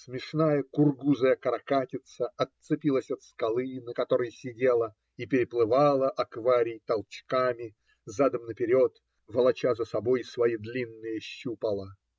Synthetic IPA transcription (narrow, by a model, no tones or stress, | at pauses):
smʲɪʂnajəkʊrɡuzəjəkɾɐkatʲɪt̪səɐt̪sɨpʲilˠəsʲɐt̪skɐlˠɨnəkɐt̪o̞ɾəjəsʲɪdʲe̞lˠə | ipʲɪɾʲɪplˠɨvalˠəʔɐkvaɾʲɪjt̪ɐlˠt͡ɕkamʲɪ | zad̪əmnəpʲɪɾʲo̞t̪ | vəlˠɐt͡ɕazəsɐbo̞jsvɐjid̪lʲinːɨjəɕːupəlˠa